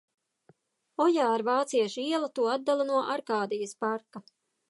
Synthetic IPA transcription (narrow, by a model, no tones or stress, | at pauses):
ɔjaːaɾvaːt̪siɛʃiɛlˠat̪uɔad̪̚d̪alˠanuɔʔaɾkaːd̪ijɐspaɾka